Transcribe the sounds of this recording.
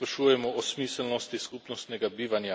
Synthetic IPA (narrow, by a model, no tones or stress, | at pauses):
pɾaʃuːjɛmɔɔsmiːsɛlnɔst̪iskupnɔst̪nɛɡabiːʋanja